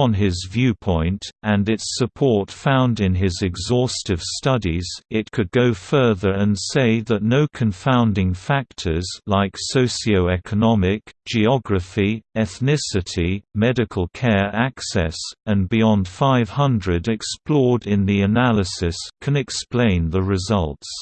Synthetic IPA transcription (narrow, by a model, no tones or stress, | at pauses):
nɪzvjʉpʰɔ̃ɪ̃ntɨ̃nɨtsɨpʰɔɹtfãʊ̃ndɨ̃nɪzɨɡzɔstɨv̥stʌɾiz̥ɪt̚kʰɨd̚ɡoʊfɜ˞ðə˞ɨ̃nseɪðɨtⁿnoʊkʰɨ̃ɱfãʊ̃ndɪ̃ŋfæk̚tʰə˞zlaɪksoʊsioʊɛkʰənɑmɪkd̥ʒ̥iɑɡɹɨfiɛθnɪsɨɾimɛɾɨkʰəl̩ˠkʰɛɹæksɛ̰sɨ̃nbiɑ̃nd̥faɪv̥hʌ̃ndɹɨɾɨksplɔɹɾɪ̃nðiɨnælˠəsɨskʰɨ̃nɨksplẽɪ̃nðəɹɨzʌlˠts